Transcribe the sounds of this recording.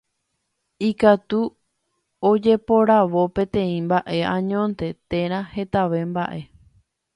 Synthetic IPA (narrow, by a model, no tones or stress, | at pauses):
ikat̪u | od͡ʒe̞po̞ɾaʋo̞pẽt̪ẽ̞ĩmbaʔe̞ãɲõnt̪e̞t̪ẽ̞ɾ̃ãhe̞t̪aʋe̞mba̰ʔe̞